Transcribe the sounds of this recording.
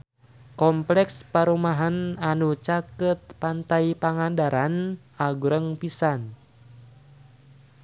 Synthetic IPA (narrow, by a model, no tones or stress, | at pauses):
kɔmplɛkspaɾumaɦananut͡ʃakət̪̚pant̪ajpaŋandaɾan | aɡuɾəŋpisan